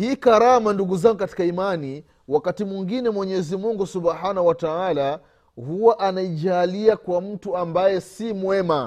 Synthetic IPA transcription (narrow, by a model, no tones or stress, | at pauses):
hiːkaɾamanduɡuzaŋɡukati̥kaimani | wakatimwiŋɡinɛmwɛɲɛzimuŋɡusuɓhanawataala | huwaʔanaiʄaːliakwam̩tuambajɛsimwɛma